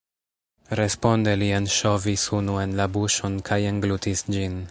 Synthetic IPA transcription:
ɾe̞spo̞ndelienʃo̞visunue̞nlabuʃo̞nkʰajeŋɡlutʰisd͡ʒin

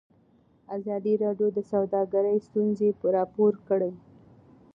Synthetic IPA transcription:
azɑd̪iɾɑɖjod̪əsawd̪ɑɡaɾəjst̪unzepəɾɑpoɾkəɽej

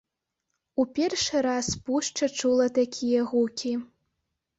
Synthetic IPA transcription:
upʲɛrʂɨɾaspuʂt͡ʂɐt͡ʂulˠɐt̪akʲʰijɐɣukʲi

